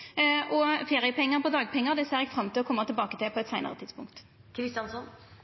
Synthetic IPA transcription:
ʔɔfeːʁɪəpɛŋːəʁpɔd̪ɑːɡpʰɛŋːəʁd̪ɛseːʁɛɡfʁɑmt̪ʰiːɔkʰɔmːəʁt̪ʰɪlbɑːkət̪ʰɪlpʰɔɛt̪sæɪnə̰ʁə̰t̪ɪd̪spʊ̰ŋkt̪ | kʰɾɪst̪jɑnsɔn

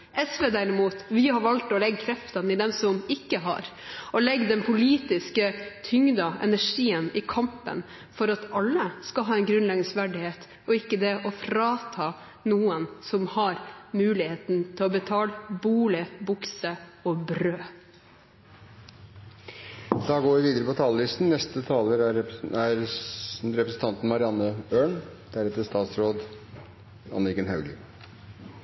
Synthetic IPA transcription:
ʔɛsʋeːd̪æɾɪmuːt̪ʋɪhɑɾʋɑlt̪ɔlɛɡkʰɾɛft̪ɑnɪd̪ɛmsɔmɪkːəɦɑ̰ɾɔlɛɡːd̪ɛnpʰʊliːt̪ɪskət̪ʰʏŋd̪ɑɛ̰næʂiːənɪkʰɑmpə̰n | fɔɾɑt̪ɑlːəskɑɦɑːɛnɡɾʉnlɛɡnsʋæɖɪheːt̪ | ɔɪkːəd̪ɛʔɔfɾɑːt̪ʰɑː | nuːənsɔmhɑɾmʉːlɪheːt̪nt̪ʰɪlɔbət̪ʰɑːlbuːlɪbʊksəɔbɾøː | d̪̥ɑːɡoːʋɪʋiːd̪əɾəpʰɔt̪ʰɑːləlɪst̪n̩nɛst̪ət̪ʰɑːləæɾ | ɾɛpɾəsn̩t̪ʰɑnt̪n̩mɑɾɪɑnːəøːɳd̪̥æɾɛt̪əst̪ɑːt̪sɾoːd̪ | ɑ̰nɪkənhɑʉɡɪ̰

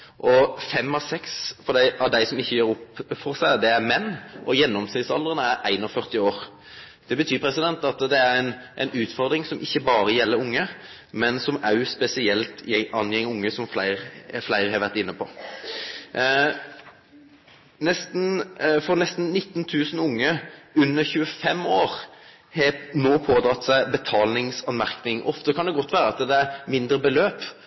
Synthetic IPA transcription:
ʔɔfɛmːɑsɛksfɔɾd̪æɪʔɑd̪æɪsɔmɪçːəjøːɾɔpfɔʁsæɪd̪ɛæɾmɛnːʔɔjɛnːɔmsɪsɑ̰ld̪ɾənəæɾæɪnɔfœʁt̪ɪoːɾ | d̪̥ɛbət̪ʰyːpʰɾɛsɪd̪ɛnt̪ɑt̪d̪ɛæɾæɪnʔæɪnʉːt̪fɔʁd̪ɾɪŋsɔmɪçːəbɑːɾəjɛlːəɾʊŋːə | mɛnsɔmæʉspɛsɪɛlt̪ɛɑnjɛŋːəʊŋːəsɔmflæɪɾflæɪʁhɑʋæʁt̪ɪnːəpʰɔ | nɛst̪n̩fɔɾnɛst̪n̩nɪt̪ːnt̪ʰʉːsn̩ʊŋːəʉnːəɾçʉːəfɛmoːɾ | hɛnoːpʰoːd̪ɾɑt̪ːsæɪbət̪ʰɑːlnɪŋsɑnmæʁknɪŋʔɔft̪əkʰɑnd̪ɛɡɔt̪ːʋæːɾəɑt̪d̪ɛæɾmɪnd̪ɾəbəløːp

